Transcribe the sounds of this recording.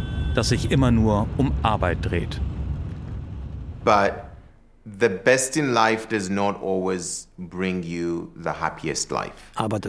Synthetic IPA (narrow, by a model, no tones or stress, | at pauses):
d̥asz̥ɪçʔɪmɐnuːɐʔʊmʔaɐbaɪt̚d̥ʁḛːt | b̥ʌt̚ | ðəbɛstɪ̃nlaɪfd̥ʌznɔtɔlwezbɹɪ̃ŋjuðəhæ̰pʰiɨ̰stla̰ɪfaba